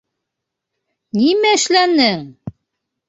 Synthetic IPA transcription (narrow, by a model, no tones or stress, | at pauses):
nimæɘ̆ʃlænɘŋ